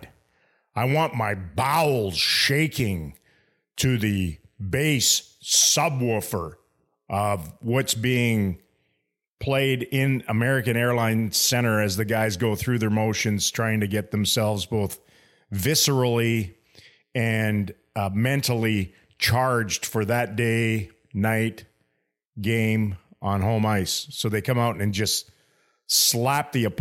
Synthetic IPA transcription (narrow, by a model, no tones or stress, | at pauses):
aɪwɑ̃nmaɪbaʊl̩ˠz̥ʃeɪkʰɪ̃ŋ | tʰɨðɨ | beɪsʌbwʊfə˞ | ʔʌvwʌtsb̥iɪ̃ŋ | pʰl̥eɪɾɪ̃nəmɛɹɨkɨ̃ñɛɹlãɪ̃nsɛ̃ɾ̃ə˞ɨzðɨɡaɪzɡoʊθɹʉðə˞moʊʃɨ̃nz̥tʰɹ̥aɪɪ̃ŋtʰɨɡɛt̪̚ðɨ̃m̩sɛlˠvzboʊθ | vɪsə˞l̩ˠi | ɨ̃n | mɛ̃ntʰl̩ˠi | t͡ʃʰɑɹd͡ʒd̥fə˞ðɨt̚d̥eɪ | naɪt | ɡ̥ẽɪ̃mʔə̃nɦõʊ̃maɪsːoʊðeɪkʰʌ̃maʊɾɨ̃nd͡ʒʌst | slæp̚ðiɨp